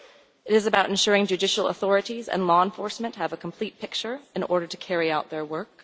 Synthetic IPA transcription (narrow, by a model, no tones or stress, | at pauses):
ɨɾɨzɨbaʊɾ̃n̩ʃʊɹɪ̃ŋd͡ʒʉdɪʃl̩ˠə̰θɔɹɨɾizɨ̰̃nlɔə̃nfɔɹsmɨ̃nʔhɨvəkʰm̩pʰl̥it̚pʰɪk̚t͡ʃə˞ɨ̃nʔɔɹɾə˞ɾɨkʰɛɹiaʊt̪̚ðə˞wɜ˞k̚